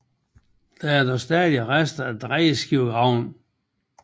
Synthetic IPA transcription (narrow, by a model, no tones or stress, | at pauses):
d̥ææɐd̥ɒsd̥ɛːðiəʁasd̥ɐæd̥ʁɛːəsɡ̥iʊ̰ɡ̥ɑʊ̰n